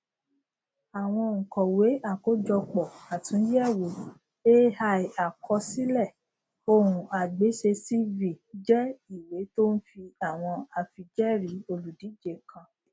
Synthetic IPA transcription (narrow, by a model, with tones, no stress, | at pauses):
a˨w̃ɔ̃˧ŋ̩˨kɔ̃˨we˨˦a˦˨ko˨˦d͡ʒɔ˧k͡pɔ˨a˨tũ˨˦jɛ˦˨wo˨˦ | e˦ha˧i˨a˨kʰɔ˧si˦lɛ˦˨ | o˧ɾũ˨a˨ɡ͡be˨˦ʃe˧si˦vi˨d͡ʒɛ˦i˨we˨˦to˦n̩˦fi˧a˦˨w̃ɔ̃˧a˧fi˧d͡ʒɛ˦ɾi˨˦o˧lu˨di˨˦d͡ʒe˨kʰã˧